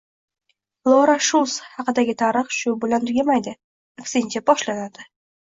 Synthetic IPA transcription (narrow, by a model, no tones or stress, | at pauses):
lˠoɾaʃulˠshɑqɨd̪aɡʲɪt̪ʰaɾɨχʃʊbɪlant̪ʰʊɡʲamajd̪ɪ | ɪkʲsɪnt͡ʃʰabɒʃlanad̪̥ɪ